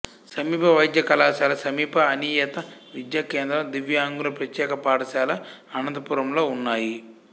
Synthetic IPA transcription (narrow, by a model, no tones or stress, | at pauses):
sɐmiːpʰɐʋɐjd̪jɐkɐlaːʃaːlɐsɐmiːpʰɐɐniːjɐt̪ɐʋid̪jɐkeːnd̪ɾɐmd̪iʋjaːŋɡulɐpɾɐt̪jɛːkɐpaːɽɐʃaːlɐɐnɐnd̪ɐpuɾɐmlo̞ːunːaːji